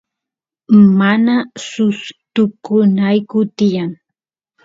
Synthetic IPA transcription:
manasʊst̪ʊkʊnajkʊt̪ɪjaŋ

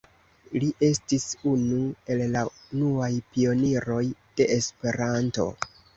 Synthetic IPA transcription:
liʔe̞stisunue̞llaunuajpio̞niɾo̞jd̥e̞espe̞ɾanto̞̰

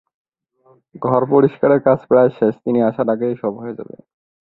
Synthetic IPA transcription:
ɡʱɔɾpoɾiʃkaɾeɾkat͡ɕʰpeɾaeʃeʃt̪iniaʃaɾaɡejʃɔbɦoed͡ʑa̰bḛ

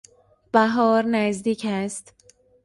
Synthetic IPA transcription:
b̥æɦɒːɾnæzd̪iːcʰæst̪

